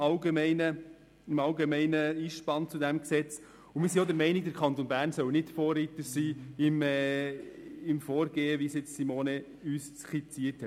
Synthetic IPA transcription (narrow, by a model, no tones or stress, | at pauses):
ɑlɡemɛɪnə | ɪmɑwɡemɛɪnəiːʃpɑnt͡sudæmksɛt͡s | ʊmɪːɾs̬iod̪əɾmɛɪniɡ̚d̪əɾkʰχɑnt̪onbæːrnsœwnɪtfoːrːit̪əsiːɪmɛ | ɪmfoːɾɡ̥eːəʋisjɪt͡ssimoːne | yːst͡sχit͡siəthɛt